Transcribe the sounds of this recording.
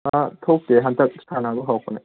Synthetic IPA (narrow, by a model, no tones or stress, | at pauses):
at̪ʰokːeɦant̪ak̚st̪ʰanaɡoɦakona